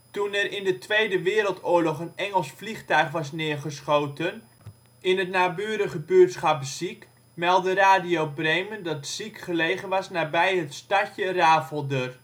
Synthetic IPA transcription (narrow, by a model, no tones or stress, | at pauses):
tunɛrɪndətʋejdəʋɪːɾəlˠtʊːɹlɔχənɛŋəlˠsfliχtœɥχʋɑsnɪːɹχəsχowtən | ɪnɦətnaːbyːɾəχəbøːtsχɑpzik | mɛlˠdəraːdijowbrejməndɑtsikχəlejχənʋɑsnaːbɛjɦətstɑcəraːfəlˠdør